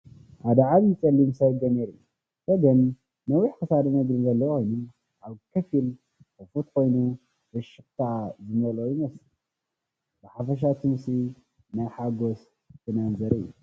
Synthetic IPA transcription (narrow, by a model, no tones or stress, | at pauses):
had̪ɐʕaβjɨt͡sʼɐlːimsɐβɡ̪ɐmeɾɨjːu | sɐɡɐnː | ɐwiħkʰɨsad̪ɐnɐɡɾinzɐlːɐkʰo̞jnu | ʔaβkʰɐfil | kɨfut̪kʰo̞jnu | bɨʃɨxt̪ʰaʕazɨmɐlojimɐsl | bɨħafɐʃ̬at̪ʰɨmsi | najħaɡos | t̪ʰɨnanzɐɾɨjːṵ